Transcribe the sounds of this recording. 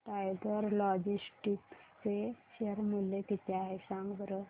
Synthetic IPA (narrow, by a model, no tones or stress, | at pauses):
ʈajɡəɾlɔd͡ʑisʈikt͡seɕeɾmulːek̪it̪ʰeaɦesãŋɡʋɾə